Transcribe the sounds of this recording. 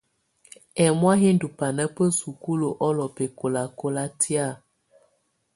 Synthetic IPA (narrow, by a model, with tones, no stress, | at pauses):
ɛ˨mwa˦ɦe˦n˦du˨pa˨nə˦pə˦su˨ku˦lo˨ʔɔ˦lɔ˨pe˨ko˨la˨ko˦la˦ti˦a˦˨